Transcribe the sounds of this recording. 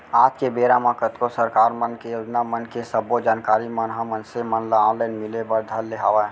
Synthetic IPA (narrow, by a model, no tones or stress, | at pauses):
aːt̪kebeɾamãkət̪kosəɾkaːɾmənkejod͡ʒnamənkesəbod͡ʒaːnkaːɾimənɦəmənsemənlãlənmilebəɾd̪ʱəlːeɦaʋa